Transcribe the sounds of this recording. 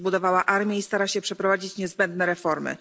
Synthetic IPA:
bud̪ɔvawaʔaɾmʲjɛist̪aɾaɕɛpʂɛpɾɔvad͡ʑit͡ɕɲɛzbɛnd̪nɛɾɛfɔɾmɘ̰

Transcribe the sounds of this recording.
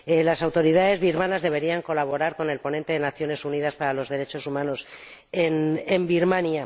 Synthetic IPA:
elasawt̪o̞ɾiðaðe̞zβiɾmanazðe̞β̞e̞ɾiaŋko̞laβ̞o̞ɾaɾko̞ne̞lpo̞nẽ̞nt̪e̞ðe̞naθjo̞ne̞suniðaspaɾalo̞zðe̞ɾe̞t͡ʃo̞sumãno̞senembiɾmanja

